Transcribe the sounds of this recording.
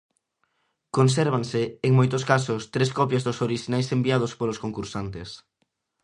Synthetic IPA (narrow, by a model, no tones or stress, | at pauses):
kons̬ɛɾβ̞aŋsɪːŋmojt̪ʊskasʊst̪ɾeskɔpjazðʊsoɾiʃinajsembiað̞ʊspolʊskoŋkuɾsant̪es